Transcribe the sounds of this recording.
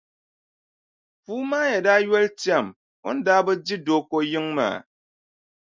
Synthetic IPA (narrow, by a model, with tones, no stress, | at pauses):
fu˦ma˦je˨da˦jɛ˦ltja˨m | o̰˦n̩˦da˦bə˦d͡ʒi˦do˨˦ko˦ji˦ŋma̰˨